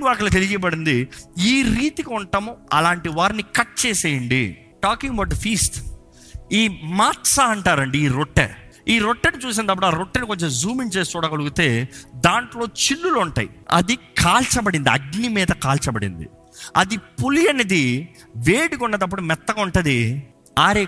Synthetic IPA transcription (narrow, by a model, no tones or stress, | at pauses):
ʋaːɾkɐlɐt̪elid͡ʒipɐɽind̪iiːɾiːt̪ikiuɳʈɐmuɐlaːɳʈiʋaːɾinikɐʈ̚t͡ʃeːseːjɐɳɖḭ | ʈaːkiŋɡɐbɐwʈ̚d̪ɐfiːsʈ | iːmaːʈsaɐɳʈaːɾɐɳɖiiːɾoʈːḛ | iːɾoʈːɐnit͡ʃuːs̬ind̪ɐpːuɽuaːɾoʈːɐnikoɲt͡ʃemzuːmint͡ʃeːst̪uːɽaːkɐluɡut̪e̞ːd̪aːɳʈlo̞ːt͡ʃilːuloɳʈa̰ːjiɐ̰d̪ikʰaːlt͡ʃɐbɐɽind̪iɐ̰ɡnimiːd̪ɐkaːlt͡ʃɐbɐɽḭnd̪ḭ | ɐd̪ipulijɐnɐd̪i | ʋeːɽikuɳːɐd̪ɐp̬ːuɽumɛt̪ːɐkɐuɳʈɐd̪i | aːɾe